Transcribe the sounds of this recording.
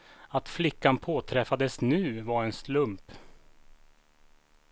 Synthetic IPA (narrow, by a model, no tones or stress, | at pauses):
at̪flɪkːanpʰoːt̪ʰɾɛfad̪əsnʉ̟ːvaɾɛnslɵmp